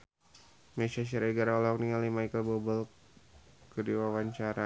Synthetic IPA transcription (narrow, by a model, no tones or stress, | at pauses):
mesaʃ̬iɾeɡaɾaɔlɔk̚niŋalimajkəlbɔbəl | kədiwawaɲt͡ʃaɾa